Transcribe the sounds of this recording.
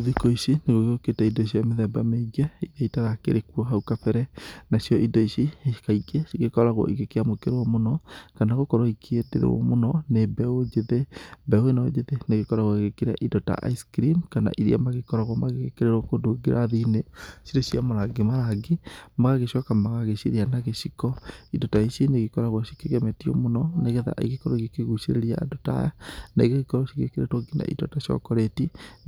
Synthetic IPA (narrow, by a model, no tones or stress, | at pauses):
oðekɔiʃineɣoɣeɣoketaidɔiʃ̬ijameðɛmbameiɡɛiðaitaðakḛɾekwɔɦaukapɛɾɛnasijɔʔidɔiʃikaikeɣekɔɾaɣwɔ̰ʔiɣekeamokeɾewɔmonɔkanaɣokɔɾwaikʰedḛɾḛwɔ̰monɔnebɛod͡ʒeðebɛoenad͡ʒeðeneɣekɔɾaɣwaeɣekeɾa̰ʔidɔta̰ʔa̰iskɾimkana̰ʔiɾḭa̰maɣekɔɾaɣwamaɣeɣekeɾeɾokodoɡeɾʔaðineʃiɾeʃiamaɾaɡemaɾaɡemaɣaɣeʃɔkamaɣaɣeʃeɾianaɣeʃikɔidɔtaiʃeneɣekɔɾaɣwaʃi̥keɣemɛtiɔ̰monɔneɣeða̰ʔḛɣekɔɾɔiɣekeɣuʃeɾeɾiaːdota̰jana̰ɣeɣekɔɾɔʃiɣḛkeɾetwoɡina̰ʔḭdɔ̰taʃiɔ̰kɔɾeti